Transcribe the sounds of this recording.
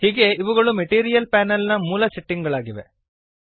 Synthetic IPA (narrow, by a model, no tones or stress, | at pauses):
hiːɡe̞iʋuɡɐɭumeʈiːɾijɐlpaːnɐlnɐmuːlɐseʈːiŋɡɐɭaːɡiʋe̞̰